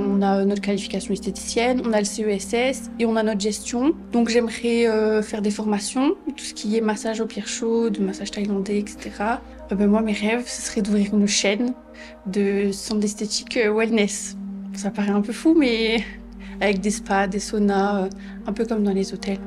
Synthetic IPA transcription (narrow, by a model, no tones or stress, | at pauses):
ɔ̃naønɔt̪χəkalifi̥kasjɔ̃ɛst̪et̪i̥sjɛnɔ̃naləseøɛsɛs | eɔ̃nanɔt̪χʒɛst̪jɔ̃d̪̥ɔ̃kʒɛmʁɛøfɛʁd̪efɔʁmasjɔ̃t̪u̥sə̥kʲʰijɛmasaʒopjɛʁʃod̪əmasaʒt̪ajlɑ̃d̪eɛkse̥t̪eʁa | ɛbɛ̃mwameʁɛvsə̥sə̥ʁɛd̪uvʁiʁynʃɛn | d̪əsɑ̃d̪ɛst̪et̪i̥køwɛlnɛssapaʁɛɛ̃pøfumɛ | avɛk̚d̪espad̪esonaø | ɛ̃pøkɔmd̪ɑ̃lezot̪ɛl